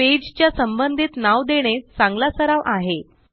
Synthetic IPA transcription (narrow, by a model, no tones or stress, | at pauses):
ed͡ʑt͡ɕjasəmbənd̪ʱiːt̪naʋd̪eɽ̃esãŋɡlasəɾaʋʔaɦe